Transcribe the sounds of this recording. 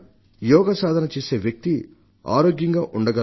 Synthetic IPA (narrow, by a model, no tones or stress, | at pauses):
jɔːɡɐsaːd̪ʱɐnɐt͡ʃeːse̞ːʋjɐk̚t̪i | a̰ːɾoːɡjɐŋɡaːʔuɳɖɐɡɐ